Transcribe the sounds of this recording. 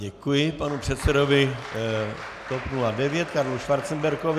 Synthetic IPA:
ɟɛkujɪpanupr̥ɛt̪sɛdovɪ | t̪opnuladɛvjɛt̪kaɾluʃvaɾt̪t͡sɛmbɛɾkov

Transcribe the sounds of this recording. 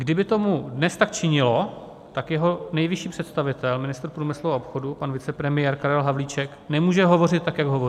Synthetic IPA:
ɡdɪbɪt̪o̞mudnɛst̪ak̚t͡ʃɪɲɪlo̞ | t̪akjɛɦo̞nɛjvɪʃiːpr̝̥ɛt̪st̪avɪt̪ɛlmɪnɪst̪ɾpɾuːmɪsluaʔopxo̞dupanvɪt͡sɛpɾɛmɪjɛɾkaɾɛlɦavliːt͡ʃɛknɛmuːʒɛɦo̞vo̞rɪt̪̚tːakjaɡɦo̞vo

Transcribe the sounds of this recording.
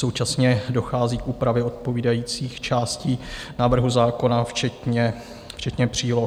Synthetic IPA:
sowt͡ʃasɲɛdo̞xaːziːkʔuːpɾavjɛo̞t̪̚po̞viːdajiːt͡siːxt͡ʃaːsciːnaːvr̩ɦuzaːko̞naft͡ʃɛt̪ɲɛ | ft͡ʃɛt̪ɲɛpr̝̥iːlo

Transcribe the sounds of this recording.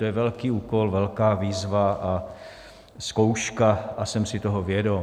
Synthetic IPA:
t̪ojɛvɛlkiːuːkolvɛlkaːviːzvaʔa | skowʃkaasɛmsɪt̪oɦovjɛdo

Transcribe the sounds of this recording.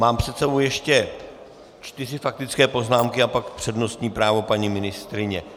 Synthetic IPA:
maːmpr̥ɛt̪sɛbo̞wjɛʃcɛ | t͡ʃt̪ɪrɪfak̚t̪ɪt͡skɛːpo̞znaːmkɪapakpr̥ɛdno̞st̪ɲiːpɾaːvo̞paɲimɪnɪst̪ɾɪɲɛ

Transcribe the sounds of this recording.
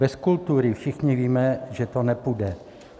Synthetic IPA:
bɛskult̪uɾɪfʃɪxɲɪviːmɛʒɛt̪onɛpudɛ

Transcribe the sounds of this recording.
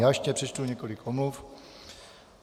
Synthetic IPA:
jaːʃɲɛpr̥ɛt͡ʃt̪uɲɛkolɪkomluf

